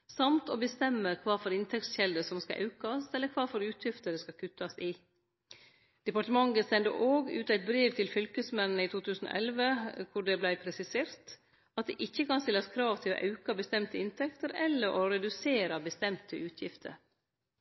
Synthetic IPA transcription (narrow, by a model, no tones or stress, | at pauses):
sɑmt̪obəst̪ɛmːəkʰʋɑːfɔɾɪnt̪ʰɛkt̪sçɛld̪əsɔmskɑ̰ʔɑ̰ʉkɑsɛlːəkʰʋɑːfɔɾʉːt̪ʰjɪft̪ədəskɑkʰʉt̪ːɑsɪ | d̪̥ɛpɑʈəmɑŋːəsɛnd̪ə̰ʔoːɡʉ̰ːt̪æɪt̪̚bɾiːʋt̪ʰɪlfʏlkəsmɛnːəiːt̪ʰuːt̪ʰʉːsn̩o̰ʔɛlʋəkʰʊɖɛblæɪpʰɾɛsɪseːɾt̪ | ɑt̪̚d̪ɛ̰ʔɪçːəkɑnst̪ɪlːɑskʰɾɑːʋt̪ʰɪlo̰ʔɑ̰ʉkɑbəst̪ɛmt̪əɪnt̪ʰɛkt̪əɾɛlːəɾʔoɾɛd̪ʉseːɾɑbəst̪ɛmt̪ʰəʔʉːt̪ʰjɪ̰ft̪ʰə̰ɾ